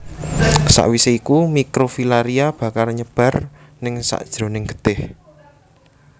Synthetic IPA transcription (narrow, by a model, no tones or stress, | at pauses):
sa̰ʔwiseikumikɾofilaɾiab̥a̤kalɲəb̥ä̤r | nɪŋsa̰ʔd̥ʒ̥ɾo̤nɪŋɡ̥ə̥d̪̥ɪh